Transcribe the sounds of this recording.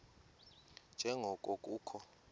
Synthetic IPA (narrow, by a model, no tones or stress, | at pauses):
nd͡ʒʱɛŋɡʱɔkʼokʼuːkʰɔ